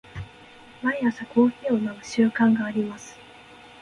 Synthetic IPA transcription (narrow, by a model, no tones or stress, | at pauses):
maiasako̞ːçiːo̞naɯ̟ɕɨːkãŋɡaːɾʲimasɨ̥